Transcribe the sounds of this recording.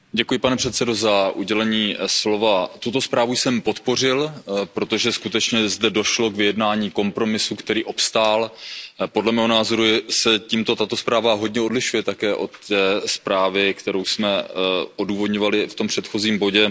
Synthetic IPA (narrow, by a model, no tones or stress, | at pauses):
ɟɛkujɪpanɛpr̥ɛt̪sɛdo̞zaʔuɟɛlɛɲiːslo̞vat̪ut̪o̞spɾaːvujsɛmpo̞t̪po̞r̝ɪlpɾo̞t̪o̞ʒɛskut̪ɛt͡ʃɲɛzdɛdo̞ʃlo̞kvɪjɛdnaːɲiːko̞mpɾo̞mɪsukt̪ɛɾiːʔopst̪aːlpo̞dlɛmɛːɦo̞naːzo̞ɾusɛciːmt̪o̞t̪at̪ospɾaːvaɦo̞dɲɛo̞dlɪʃujɛt̪akɛːʔo̞t̪ːɛːspɾaːvɪkt̪ɛɾo̞wsmɛʔo̞duːvo̞d̪ɲo̞valɪft̪o̞mpr̝̥ɛt̪xo̞ziːmbo̞ɟɛ